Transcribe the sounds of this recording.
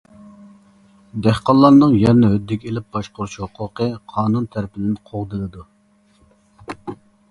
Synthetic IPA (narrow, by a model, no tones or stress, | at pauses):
d̪æhqɑlˠːɑɾnɨŋjɛɾnɛɦød̪ːɪkʲelɪp̚b̥ɑʃqoɾuʃhʊqʰʊqʰəqʰɑːnunt̪ʰæɾɪpʰɪd̪ɪnqʰoʁd̪ɨlˠɨd̪u